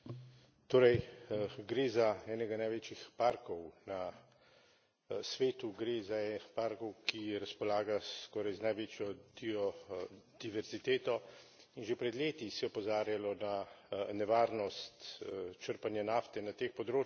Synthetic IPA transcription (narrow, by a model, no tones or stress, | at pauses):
t̪oːɾɛjɡɾeːzaɛːnɛɡanajʋeːt͡ʃixpaɾkɔwna | sʋeːt̪uɡɾezaɛpaːɾkɔwkiɾaspɔlaːɡaskɔːɾajznajʋeːt͡ʃjɔb̪iɔ | d̪̥iʋɛɾzit̪eːt̪ɔinʒepɾɛd̪leːt̪isɛjɔpɔzaːɾjalɔnanɛʋaːɾnɔst̪t͡ʃəɾpanjanaːft̪ɛnat̪eːxpɔd̪ɾoː